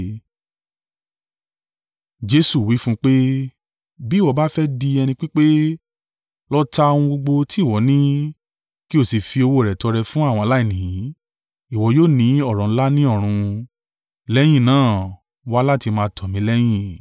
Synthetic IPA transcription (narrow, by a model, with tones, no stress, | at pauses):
d͡ʒe˦su˦˨wi˨˦fũ˦k͡pe˦ | bi˦˨wɔ˨˧˦ba˦fɛ˦di˧ɛ˧nĩ˧k͡pi˦k͡pe˦ | lɔ˦ta˦õ˧ũ˧ɡ͡bo˧ɡ͡bo˧ti˦˨wɔ˨˦nĩ˦ | ki˦o˦˨si˨fi˧o˧wo˧˨ɾɛ˨tɔ˧ɾɛ˧fũ˦a˦˨w̃ɔ̃˧la˦i˦˨nĩ˨jĩ˨˦ | i˦˨wɔ˨˦joː˦˨nĩ˨˦ɔ˦˨ɾɔ̃˨˦la˦nĩ˦ɔ˦˨ɾ̃ũ˧ | lɛ˦j̃ĩ˦˨nãː˦˨ | wa˦la˦˨ti˧mãː˧tʰɔ˨mĩ˨˦lɛ˦j̃ĩ˦˨